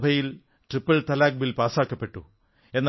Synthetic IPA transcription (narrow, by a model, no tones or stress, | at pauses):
bʱɐjil | ʈripːɐɭt̪ɐlaːk̚bilpaːsaːkːɐpːe̞ʈːu | e̞nː